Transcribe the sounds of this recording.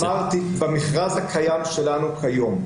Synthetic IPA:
aʁt̪ibemiχʁazhakʰajamʃe̞lanukʰajo̞m

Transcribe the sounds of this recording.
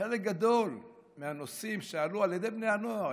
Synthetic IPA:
elekɡad̪o̞l | meanosimʃealualjed̪e̞jbne̞jhanoa

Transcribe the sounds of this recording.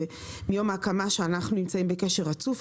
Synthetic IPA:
e | mijo̞maakamaʃeanaχnunimt͡saimbekeʃe̞ʁat͡suf

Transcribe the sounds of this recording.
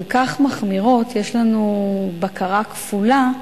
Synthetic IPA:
lkaχmaχmiʁo̞tjeʃlanubakaʁakfula

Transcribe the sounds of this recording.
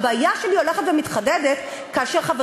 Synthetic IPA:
baːjaʃelio̞leχetvemit̪χaded̪et | kaːʃeʁχave

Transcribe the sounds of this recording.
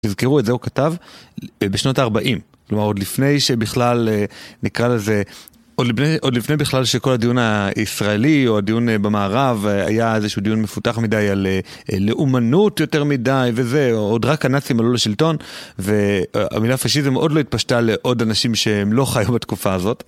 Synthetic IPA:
tizkeʁuetzeukatav | beʃno̞taːʁbaʔimklomaʁo̞dlifne̞jʃebiχlalenikʁaleze | odlneʔo̞dlifnejbiχlalʃeko̞lhadijunaisʁaelio̞adijunbemaːʁava̰jaezeʃudijunmefutaχmidajale | leʔumanutjo̞te̞ʁmidajve̞ze̞odʁakanat͡simalolaʃilto̞nve̞a̰milaːfaʃizimʔo̞dlo̞it̚paʃtaleʔo̞danaʃimʃeemlo̞χajubatkufaːzo̞t

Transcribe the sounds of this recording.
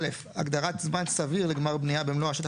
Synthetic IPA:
lef | a̰ɡd̪aʁat̪zmansaviʁleɡmaʁbnijabemloaʃet̪

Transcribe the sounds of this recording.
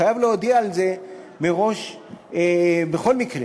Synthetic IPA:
ajavleod̪iaːlze | meʁo̞ʃ | bexo̞lmikʁe

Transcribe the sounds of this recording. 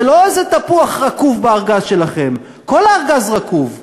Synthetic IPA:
lo̞ezet̪apuaχʁakuvbeaʁɡazʃe̞laχe̞m | ko̞laːʁɡazʁakuv

